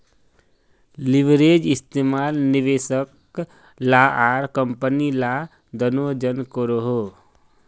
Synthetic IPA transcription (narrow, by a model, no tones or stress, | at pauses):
lɪʋɾeːd͡ʒɪst̪eːmaːlnɪʋeːʃək | laːʔaːɾkəmpənila | d̪ənoːd͡ʒənkoɾoɦoː